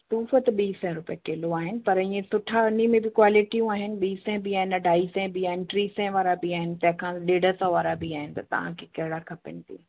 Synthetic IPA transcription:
t̪uːfət̪ɓiːsɛ̃ɾʊpijəkeːloaːɦɪnɪ̆pɐɾɪ̃ẽsʊʈʰaʊnimẽbɪkwaːlɪʈijũaːɦɪnɪ̆ɓiːsɛ̃bɪaːɦɪnɐɖʱaːisɛ̃biaːɦɪnɪʈɾiːsɛ̃ʋaːɾabɪaːɦɪnɪ̆t̪ɐ̃ɦɪ̃kʰãɗeːɽəsɔʋaːɾabɪaːɦɪnɪ̆t̪ɐt̪ɐ̰ʋ̤ã̰kʰekɐɦɪɽakʰɐpɪ̰nɪ̆t̪ʰḭː

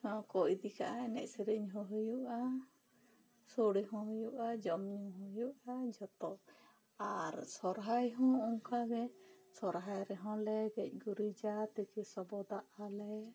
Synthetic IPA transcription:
hɔ̃kɔjd̪ika̰ʔaɛnɛʔsɛɾəɲɦɔ̃ɦɯjuʔa | soɽiɦɔ̃ɦɔjuʔad͡ʒɔmɲumɦɔ̃juʔad͡ʒɔt̪ɔ | aɾsɔɾɦajɦɔ̃ɔŋkaɡɛsɔɾɦajɾɛɦɔ̃lɛɡɛc̚ˀɡuɾid͡ʒat̪ɛkɛsɔbɔd̪aʔalɛ

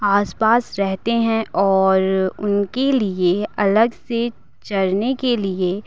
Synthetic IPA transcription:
aːspaːsɾɛɦt̪eɦɛ̃ʔɔːɾʊnkelieɐləɡse | t͡ʃɐɾnekelie

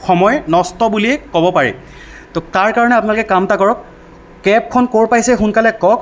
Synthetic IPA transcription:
xɔmɔjnɔstɔbuliɛkɔbɔpaɹɛ̰ | totaɹkaɹɔnɛapʊnalɔkɛkamtakɔɹɔkː | ɛp̚kʰɔnkoɹpajsɛxunkalɛkɔk

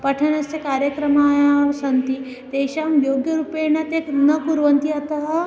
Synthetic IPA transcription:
pɐʈʰɐnɐsjɐkaːɾjɐkɾɐmaːjsɐnt̪i | t̪eːʃaːmjoːɡjɐɾupeːnɐt̪eknɐkuɾʋɐnt̪iɐt̪ɐɦɐ

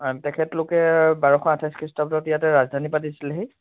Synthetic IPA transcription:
tɛkʰɛtlʊkɛbaɹɔxɔatʰaskʰɹistɔptɔtijatɛɹazd̪ʱanipatisilɛɦi

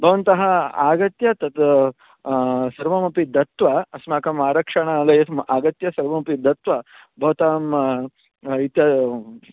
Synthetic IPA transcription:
bʱɐʋɐnt̪ɐɦɐaːɡɐt̪jɐt̪ɐt̪ | sɐɾʋɐmɐpid̪ɐt̪ʋɐɐsmaːkɐmaːɾɐkʂɐɳalɐjɐt̪ʰmaːɡɐt̪jɐsɐɾʋɐmɐpid̪ʱɐt̪ʋɐ | bʱɐʋɐt̪aːm | it̪jɐ

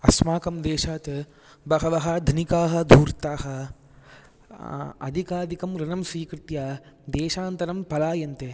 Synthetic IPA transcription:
ɐsmaːkɐmd̪eːʃaːt̪ | bɐɦɐʋɐɦɐd̪ʱnikaːɦɐ̆d̪ʱuːɾt̪aːɦɐ̆ | ɐ̰d̪ʱikaːd̪ikɐmɾɐnɐmsʋiːkɾɪt̪jaːd̪eːʃaːnt̪ɐɾɐmpɐlaːjɐnt̪e

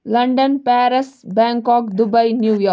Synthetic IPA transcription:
lɐɳɖənpæːɾɐsbɛ̃ːŋkɔːkd̪ubɐjnjuːjɔː

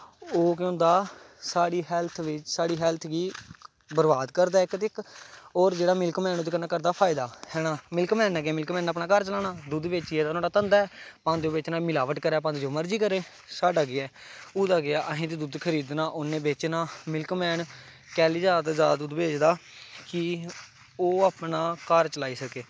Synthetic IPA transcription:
oːk̬jõːnd̪aː | saːɽiːɦɛːlt̪ʰʋɪt͡ʃsaːɽiːɦɛːlt̪ʰɡiː | bəɾbaːd̪kəɾd̪aːɪkt̪ɪkoːɾd͡ʒeːɽaːmɪlkmɛːnod̪kənaːkəɾd̪aːpʰaːɪd̪aːhɛːnaːmɪlkmɛːnɛːɡɪaːmɪlkmɛ̃ːnːaːpnaːkəɾt͡ʃəlaːnaːd̪ʊd̪bɪːt͡ʃːɛːd̪anãːɖaːt̪ənd̪aːɛːpãːnd̪oːbɪt͡ʃnãːmɪlaːʋəʈkəɾɛːpãnd̪d͡ʒoːməɾd͡ʒiːkəɾẽː | saːɖaːɡɪɛːʊːd̪aːɡɪaːʔəɦẽːt̪ed̪ʊd̪kʰəɾiːd̪naːʔʊnːẽːbɪt͡ʃnaːmɪlkmɛːn | kɛːliːzaːd̪zaːd̪d̪uːd̪beːd͡ʒd̪aːkɪ | oːaːpɳaːkəɾt͡ʃəlaːiːsəkeː

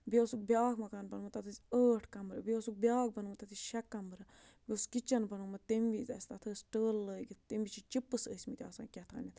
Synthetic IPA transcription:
biosuk̚bʲjaːkʰmɐkaːnbɐnmɨt̪ɐt̪ʰɨzʲəːʈʰkɐmbɾɨbiosuk̚bjaːk̚bɐnmt̪ɐt̪ʰɨʃɐkːɐmbɾɐ | bʲiskit͡ʃɐnbɐnumɐt̪emʋizʲɐ̰sʲt̪ɐt̪ʰəːsʲʈəːlːəːɡit̪t̪emʋit͡ʃʰit͡ʃipːɨsəsʲmit̪ʲa̰sã̰ːkʲɛt̪ʰa̰ːnʲit̪

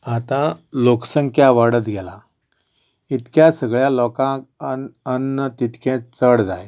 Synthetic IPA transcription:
at̪ãloksəŋkʰjaʋaɽət̪ɡʱɛla | it̪kjasəɡɭjalɔkãkənːət̪it̪kʰɛ̃t͡səɽd͡zaj

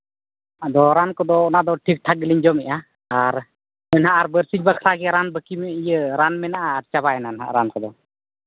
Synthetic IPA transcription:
ad̪ɔɾankɔd̪ɔnad̪ɔʈʰik̚ʈʰak̚ɡəliɲd͡ʒɔmɛʔa | aɾ | ɔnɦaʔaɾbəɾsid͡ʒbakʰɾaɡɛɾanbəkimɛijəɾanmɛnaʔaːɾt͡ʃabaɛnanɦa̰ʔɾankɔd̪ɔ

